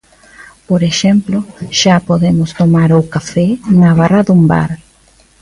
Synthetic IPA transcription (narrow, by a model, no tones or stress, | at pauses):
poɾeʃemploʃapoðemʊst̪omaɾowkafɛnaβaraðumba̰ɾ